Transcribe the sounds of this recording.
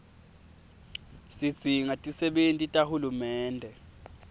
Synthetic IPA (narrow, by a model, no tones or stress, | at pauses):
sid̥z̥ʱiŋatʼisɛɓentʼitʼahulumɛːndʱɛ